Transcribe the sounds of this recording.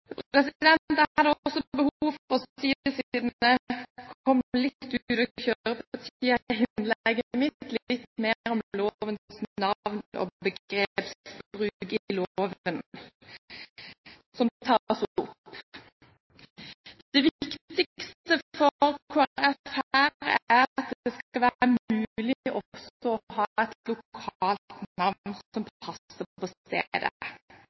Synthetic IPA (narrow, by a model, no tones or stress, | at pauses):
pʁɛs̬ɪd̪ɛnt̪əɑd̪əɔsɔbəhuːʋɔʁiːəsiiːd̪nəkʰɔmlɪt̪ːʉd̪ɔçøːʁəpɑt̪ʰiːəhɪnlɛɡəəmɪt̪lɪt̪meːɾɔmloːʋənsnɑʋnɔ̰bəɡʁepsbbʁʉɡəloːʋən | sɔmt̪ʰɑsʊpː | d̪̥ɛʋɪk̪t̪ɪkst̪əfɔɾkʰɑʁɛfhæːɾæɑt̪̚d̪d̪̥ɛskɑlʋæːʁəmʉːlɪʔɔsɔɔhɑːɛt̪lʊkʰɑːlt̪nɑʋnsɔmpʰɑsəpɔst̪ḛd̪ə̰